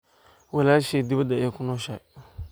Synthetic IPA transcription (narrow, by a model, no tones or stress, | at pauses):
wɛlaʃedibadaekunoʃa